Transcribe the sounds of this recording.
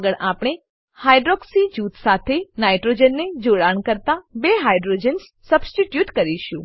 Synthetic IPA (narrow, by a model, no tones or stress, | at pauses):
ɡəɭʔapɽ̃e | hajɖɾɔksid͡ʒut̪sat̪ʰenajʈɾod͡ʒənːed͡ʒoɽaɳkəɾt̪abeɦajɖɾod͡ʒəns | səbsʈiʈjuʈkəɾiʃũ